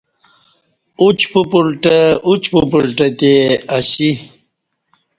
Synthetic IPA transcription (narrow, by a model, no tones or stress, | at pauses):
ut͡ɕpupulʈəut͡ɕpupulʈɐt̪eaɕi